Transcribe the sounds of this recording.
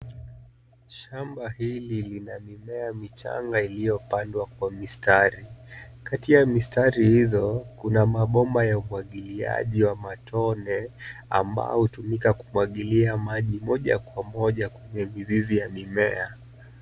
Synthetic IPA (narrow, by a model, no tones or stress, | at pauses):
ʃambahililinamimɛamit͡ʃa̰ŋɡailijɔpandwakwamistaɾikatijamistaɾihizɔkunamaɓɔmbajaumwaɠilia̰ʄiwamatʰɔnɛa̰mba̰ɔhutumikakumwaɠiliamaʄimɔʄa̰kwamɔʄakwɛɲɛmizizijamimɛa